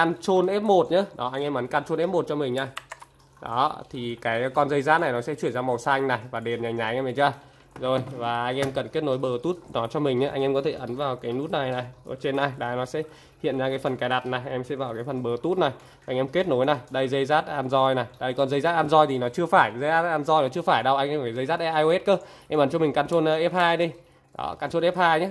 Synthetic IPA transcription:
kaː˧nt͡ɕo˧nʔɛ˦˥p̚mo˨˩t̚ɲɨ˧˦˥ɗɔ˨˦ʔa˧jŋ̟ʔɛ˧mʔə˨˦nkaː˧nt͡ɕo˧nʔɛ˦˥p̚mo˨˩t̚t͡ɕɔ˧mï˨˩ŋ̟ɲa˨˧˩ | ɗɔ˨˦t̪ʰi˨˩kaː˨˦jkɔ˧nzə˧jzaː˦˥t̚na˨˩jnɔ˨˦sɛ̰˧˥t͡ɕwi˧˩ənzaː˧ma˨˩wsaː˧ŋ̟na˨˩jvaː˨˩ɗe˨˩nɲaː˨˩ɲaː˨˦jʔmə˨˩t͡ɕaː˧ | zo˨˩jvaː˨˩ʔa˧jŋʔɛ˧mkə˨˩nke˦˥t̚no˨˦jɓəː˨˩t̪u˦˥t̚nɔ˨˦t͡ɕɔ˧mï˨˩ŋ̟ɲa˨˦ʔjŋ̟ɛ˧mkɔ˨˦t̪ʰe˧˩ʔə˨˦nvaː˨˩wkaː˨˦jnu˦˥t̚na˨˩jna˨˩jʔəː˧˨˩t͡ɕe˧nːa˧˩jɗaː˨˦nɔ˨˦sɛ̰˧˥ | hḭ˧˨ənzaː˧kaː˨˦fə˨˩nkaː˨˩jɗa˨˩t̚na˨˩jʔɛ˧msɛ̰˧˥vaː˨˩wkaː˨˦jfə˨˩nɓəː˨˩t̪u˦˥t̚na˨˩j | a˧jŋ̟ʔɛ˧mke˦˥t̚no˨˦jna˨˩jɗə˧jzə˧jzaː˦˥t̚ʔaː˧nzɔ˧jna˨˩jɗə˧jkɔ˨˩nzə˧jzaː˦˥t̚ʔaː˧nzɔ˧jt̪ʰi˨˩nɔ˨˦t͡ɕɨ˧əfaː˧˩jzə˧˦jʔaː˦˥ʔaː˧nzɔ˧jnɔ˨˦t͡ɕɨ˧əfaː˧˩jɗə˧wʔa˧ŋʔɛ˧mfaː˧˩jzə˧jzaː˦˥t̚ʔɛ˦˥ʔaː˧jʔo˧e˦˥t̚kə˧˦ʔɛ˧mʔə˨˦nt͡ɕɔ˧mi˨˩ŋ̟kaː˧nt͡ɕo˧nː˧ʔɛ˦˥p̚haː˧jɗi˧ | ɗɔ̰˨˦kaː˧nt͡ɕo˧nʔɛ˦˥p̚haː˧jɲaː˨˦

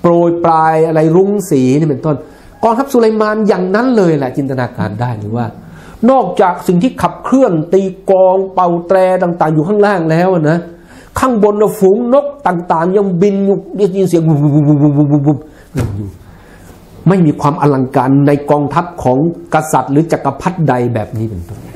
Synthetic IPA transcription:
pɾoː˨˩jpɾaː˧jʔa˧ɾa˧jɾu˦˥ŋsiː˩˦ni˥˩pe˨˧˦nt̪o˥˩n | kɔː˧ŋt̪ʰp̚su˧la˧jmaː˧njaː˨˩ŋna˦˥nlɤː˧ja˧lɛ˨˩t͡ɕi˧nt̪a˧naː˧ka̰ː˧ndaː˥˩jɾɯː˩˦waː˥˩ | nɔː˥˩k̚t͡ɕaː˨˩k̚si˨˩ŋt̪ʰiː˥˩kʰa˨˩p̚kʰɾɯ˥˩ənt̪iː˧kɔː˧ŋpa˨˩wt̪ɾɛː˧t̪aː˨˩ŋt̪aː˨˩ŋjuː˨˩kʰaː˥˩ŋɾaː˥˩ŋlɛː˦˥wʔa˨˩na˦˥ | kʰaː˥˩ŋbo˧nla˧˩fuː˨˦ŋno˦˥k̚t̪aː˨˩ŋt̪aː˨˩ŋɲa˧˩ŋbi˧njuː˧˩ja˧˩ji˧nsi˨˩˦əŋu˧u˧bu˧u˧u˧bu˧u˧u˧˩m | ŋɤ˧˩njuː˨˩ | ma˥˩jmiː˧kʰwaː˧mʔa˧la˧ŋkaː˧nːa˧jkɔː˧ŋt̪ʰa˦˥p̚kʰɔː˩˦ŋka˧sa˨˩t̪̚ɾɯː˩˦t͡ɕa˨˩kːa˧pʰa˦˥t̪̚da˧jbɛ̰ː˨˩p̚niː˦˥pe˧nt̪o˥˩n

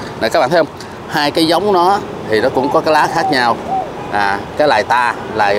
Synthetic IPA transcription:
n˨˩kaː˦˥ɓaː˧˨t̪ʰːwŋ͡m | haː˧jkaː˨˦jza˨˦wŋ͡mnɔ˨˦ | t̪ʰi˨˩nɔ˨˦kʊ̰˧˥ŋ͡mkɔ˨˦kaː˨˦jlaː˨˦xaː˦˥k̚ɲaː˧w | ʔaː˨˩kaː˨˦jlaː˨˩jt̪aː˧laː˨˩

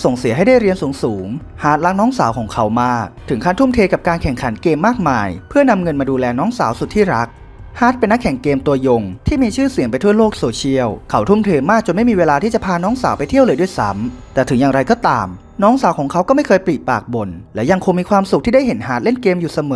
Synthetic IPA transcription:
so˨˩ŋsi˨˩˦ɦa˥˩jdaː˥˩jɾi˧ənsuː˩˦ŋsuː˩˦ŋ | haː˨˦˥t̪̚la˦˥k̚nɔː˦˥ŋsaː˩˦wkʰɔː˩˦ŋkʰa˦˥wmaː˥˩k̚t̪ʰɯ˩˦ŋkʰaː˧˥˩nt̪ʰu˥˩mt̪ʰeː˧ka˨˩p̚kaː˧nkʰɛ˨˩ŋkʰa˩˦nkeː˧mːaː˥˩k̚maː˧jpʰɯ˥˩əna˧mŋɤ˧nmaː˧duː˧lɛː˧nɔː˦˥ŋsaː˩˦wsu˨˩t̪ʰːiː˥˩ɾa˦˥k̚ | haː˦˥t̪̚pe˧nːa˦˥kʰːɛ˨˩ŋkeː˧mt̪u˧ɐjo˧ŋt̪ʰiː˥˩miː˧t͡ɕʰɯː˥˩si˨˩˦ŋpa˧jt̪ʰu˥˩ɐloː˥˩k̚soː˧t͡ɕʰi˦˥əwkʰa˦˥wt̪ʰu˥˩mt̪ʰeː˧maː˥˩k̚t͡ɕo˧nma˥˩jmiː˧weː˧laː˧t̪ʰiː˥˩t͡ɕa˨˩pʰaː˧nɔː˦˥ŋsaː˩˦wpa˧jt̪ʰi˥˩əwlɤː˧jdu˥˩ə˨jsa̰˦˥mt̪ɛː˨˩t̪ʰɯ˩˦jaː˨˩ŋɾa˧jkɔː˥˩t̪a̰ː˧m | nɔː˦˥ŋsaː˩˦wkʰɔː˩˦ŋkʰa˦˥wkɔː˥˩ma˥˩jkʰɤː˧jpliː˨˩t̪̚paː˨˩k̚bo˧nlɛː˦˥wja˧ŋkʰo˧ŋmiː˧kʰwaː˧msu˨k̚t̪i˥˩da˥˩jɦe˩˦nɦa̰ː˦t̪̚le˥˩nkeː˧mjuː˨˩sa˧mɤː˨˦

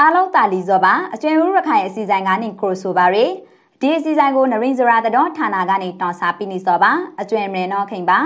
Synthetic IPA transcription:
ʔa˦lõ˦nt̪a˨li˨zɔ˨ba˨ʔət͡ɕwɪ̃˨ʔu˦ɹə˨kʰã˨ɪ̃˨ʔəsi˨zã˨ɪ̃ŋɡa˦n̥ɪ̰˦˨kʰo˨so˨ba˨ɹwe˨ | d̥i˨ʔəsi˨zã˨ɪ̃ŋɡo˨nə˨ɹẽ˨ɪ̃zə˨ɹa˨d̪ə˨dɔ˦tʰa˨na̰˦˨ɡa̰˦˨ne˨tɔ̃˨sa˨pḭ˦˨nḭ˦˨zɔ˨ba˨ʔət͡ɕwɪ̃˨ʔmɹɛ̃˨nɔ˦ʔkʰẽ˨ba˨

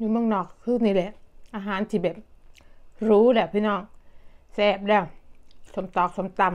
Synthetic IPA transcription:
juː˧˩˦mɯ˧˩əŋnɔː˨˩k̚kʰːɯː˥˩˨ŋniː˧˩˨lɛ˧˩˦ʔaː˧ɦaː˨˩˦nt̪ʰiː˧˩bɛː˨˩p̚ | ɾuː˦˥lɛː˧˩wpʰiː˧˥˨nɔː˧˩ŋsɛː˧˩p̚dɛː˧˩wso˨˩˦mt̪ɔː˨˩k̚so˨˩˦mt̪a˧˩m

